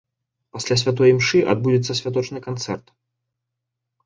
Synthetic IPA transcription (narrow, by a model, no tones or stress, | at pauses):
pasʲlʲas̬ʲvʲat̪̬ɔjimʂɨʔa̰d̪̚bud͡zʲɪt̪sːɐsʲvʲat̪̬ɔt͡ʂnɨkant̪sɛrt̪